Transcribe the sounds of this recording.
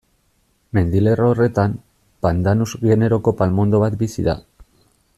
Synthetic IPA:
me̞nd̪ile̞rore̞t̪am | pand̪anuzɣe̞ne̞ɾo̞ko̞palmo̞nd̪o̞βat̪bisiða̰

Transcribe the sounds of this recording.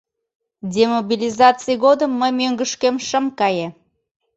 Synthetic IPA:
dʲemobilʲizɑt͡sijɣod̪əmːəjmøŋɡəʃkemʃəmkɑje

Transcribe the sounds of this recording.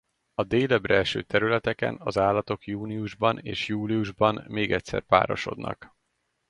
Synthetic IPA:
ɒd̪eːlɛbrɛlʃø̰ːt̪ɛɾylɛt̪ɛkɛ̰nɒzaːlːɒt̪o̞kjuːniuʒbɒnḛːʃjuːliuʒbɒnmeːɡɛcʲsɛ̰rpa̰ːɾo̞ʃo̞̰d̪nɒ̰k

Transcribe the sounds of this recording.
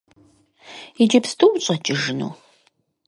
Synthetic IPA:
id͡ʒɐpstʰʼowɕʼɐt͡ʃʼɪʒɨnṵː

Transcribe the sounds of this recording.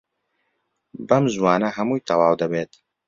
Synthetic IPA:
bɐmʒwɑːnɐhɐmuːjt̪ɐwaːwd̪ɐbeːt̪

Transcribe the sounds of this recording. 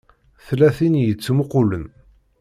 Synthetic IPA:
θlæθinjət͡sːmʊqʊlən

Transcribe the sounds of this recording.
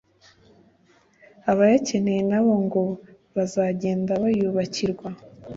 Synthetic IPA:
aβajace̞ne̞jenaβo̞ŋɡo̞ | βazaːɟe̞ːndaβajuβaciɾɡwa

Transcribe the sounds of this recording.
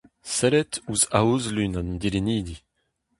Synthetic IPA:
sɛɾɛtuzauzlynand̪iɾiniːd̪i

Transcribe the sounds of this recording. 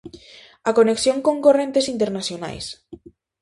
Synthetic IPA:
akoneksjoŋkõŋkorent̪esint̪eɾnasjona̰js

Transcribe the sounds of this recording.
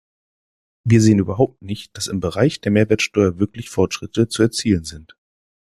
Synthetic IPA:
viːɐzeːənyːbɐɦaʊp̚tnɪçt̚d̥asɪmbəʁaɪçd̥eːɐmeːɐvɛːɐtʃtɔʏɐvɪɐklɪçfɔɐtʃʁ̥ɪtət͡suɛɐt͡siːlənzɪnt

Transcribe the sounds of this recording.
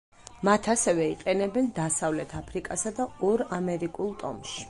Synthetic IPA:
mat̪ʰasɛvɛiqʼɛnɛbɛnd̪asavlɛt̪ʰapʰɾikʼasad̪aɔɾamɛɾikʼulˠt̪ʼɔ̰mʃi̥

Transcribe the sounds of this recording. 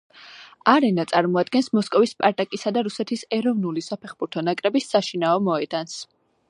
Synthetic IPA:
aɾɛnat̪sʼaɾmɔad̪ɡɛnsmɔskʼɔvispʼaɾt̪ʼakʼisad̪aɾusɛt̪ʰisɛɾɔvnulisapʰɛχbuɾt̪ʰɔnakʼɾɛbisːaʃinaɔmɔɛd̪̥ans

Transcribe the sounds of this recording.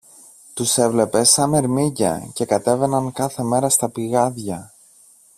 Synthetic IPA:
t̪use̞vle̞pe̞sɐme̞ɾmicɐ̰ce̞kɐt̪e̞ve̞nɐŋkɐθe̞me̞ɾɐst̪ɐpiɣɐðʝɐ

